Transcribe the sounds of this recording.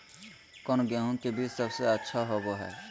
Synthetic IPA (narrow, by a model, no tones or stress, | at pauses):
kɔnɡɛːɦũnkebʱiːt͡ʃsəbseətːʃʰaɦoːɡoɦɛ̰ː